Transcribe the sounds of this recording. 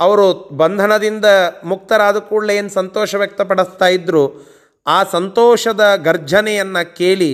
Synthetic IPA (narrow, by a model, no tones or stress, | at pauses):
ɐʋɐɾubɐnd̪ʱɐnɐd̪ind̪ɐmuk̚t̪ɐɾaːd̪ɐkuːɭleːnusɐnt̪ɔːʃɐʋjɐk̚t̪ɐpɐɽust̪aːjid̪ɾuː | aːsɐnt̪ɔːʃɐd̪ɐɡɐɾd͡ʒʱɐnɛjɐnːɐkeːɭi